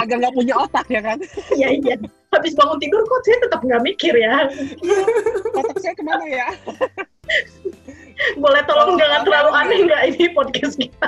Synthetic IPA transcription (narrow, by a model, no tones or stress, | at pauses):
aɡaŋɡapuɲaot̪ak̚ɲakanijaija | habɪsbaŋʊnt̪idʊrkɔt͡ʃat̪ət̪ap̚ŋɡamikɪrja | ɔt̪ak̚sakəmanaja | bolɛt̪olɔŋɡaŋat̪laluanɛŋɡaʔinipɔd̚kɛst̪̚kit̪a